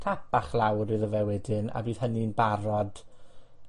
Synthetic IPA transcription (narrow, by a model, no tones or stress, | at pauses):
tʰapaχlˠawɾɨðəvɛwɛdɨna̰biːð̥həninbaɾɔd̥